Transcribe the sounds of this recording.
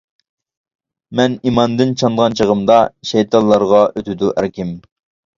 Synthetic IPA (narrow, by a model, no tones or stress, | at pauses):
mɛnimɑnd̪ɨnt͡ʃʰɑnd̪ʁɑnt͡ʃʰəʁəmd̪ɑʃɛjt̪ʰɑnlˠːɑɾʁɑʔøt̪ʰɪd̪uʔæ̰ɾkʲɪm